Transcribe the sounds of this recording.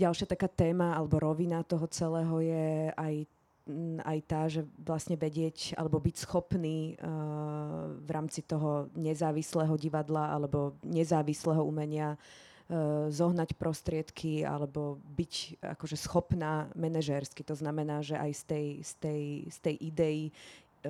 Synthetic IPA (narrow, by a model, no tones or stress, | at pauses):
ɟalʃɪat̪akaːt̪ɛːmaalɛbɔɾɔʋinat̪ɔɦɔt͡sɛlɛːɦɔjɛaj | a̰jt̪aːʒɛʋlasɲɛʋɛɟɪɛca̰lɛbɔbicsxɔpniː | ʋɾʔaːmt͡sit̪ɔɦɔɲɛzaːʋislɛɦɔɟiʋad̪laa̰lɛbɔɲɛzaːʋislɛɦɔumɛɲɪa | zɔɦnacpɾʔɔst̪ɾɪɛt̪kʰia̰lɛbɔbica̰kɔʒɛsxɔpnaːmɛnɛʒɛɾskit̪ɔznamɛnaːʒɛʔajst̪ɛjst̪ɛjst̪ɛjʔid̪ɛji